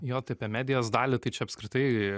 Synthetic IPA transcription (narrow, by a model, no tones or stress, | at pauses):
joːt̪ɐɪɐpʲiɛmʲæːd̪ʲɪjoːsd̪ɑːlʲɪt̪ɐɪt͡ʃʲɛɐpskɾʲɪt̪ɐɪ